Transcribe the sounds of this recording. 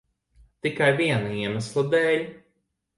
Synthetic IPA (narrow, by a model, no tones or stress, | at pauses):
t̪ikajviɛnaiɛmæslˠad̪ɛːlʲ